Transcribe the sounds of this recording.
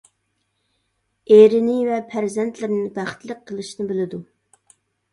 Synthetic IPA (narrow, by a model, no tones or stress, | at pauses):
eɾɪnɪvɛpʰæɾzɛnt̪ʰlɪɾnɪbæχt̪lˠəq̚qʰːəlˠɨʃnɪbelɪd̪u